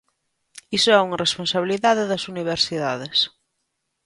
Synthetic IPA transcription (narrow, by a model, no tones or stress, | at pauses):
isoɛuŋɐrespõnsaβ̞iliðaðeðɐsuniβ̞eɾsiðaðes